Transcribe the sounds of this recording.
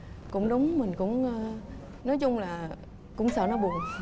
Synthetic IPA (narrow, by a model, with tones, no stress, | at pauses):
kʊ̰˧˥ŋ͡mɗʊ˨˦wŋ͡mmï˨˩ŋ̟kʊ̰˧˥ŋ͡m | nɔ˨˦jt͡ɕʊ˧ŋ͡mlaː˨˩ | kʊ̰˧˥ŋ͡msə̰ː˧˨nɔ˨˦ɓu˨˩ən